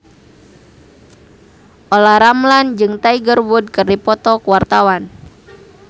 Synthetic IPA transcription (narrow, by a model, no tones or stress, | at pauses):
ʔolaɾamland͡ʒɨŋt̪aiɡərwud̚kɨrdipɔt̪ɔkuwart̪awan